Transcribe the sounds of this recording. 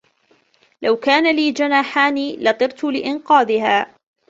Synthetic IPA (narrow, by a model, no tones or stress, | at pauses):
lawkaːnaliːd͡ʒanaːħaːniːlɑt̪ˤɨɾt̪ʊlɪʔɪnqɑːd̪ɪhaː